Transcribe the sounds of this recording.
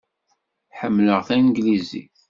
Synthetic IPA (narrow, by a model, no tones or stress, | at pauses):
ħəmːləʁθænɡlizḭ